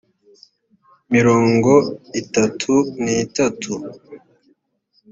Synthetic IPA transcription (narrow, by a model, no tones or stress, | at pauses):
miɾoːŋɡo̞itatʰunitatʰu